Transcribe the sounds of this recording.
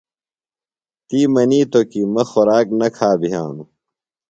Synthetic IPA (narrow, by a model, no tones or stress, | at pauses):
t̪iːmɐniːt̪okimɐxoɾaːk̚nɐkʰaːbʱija̰ːnu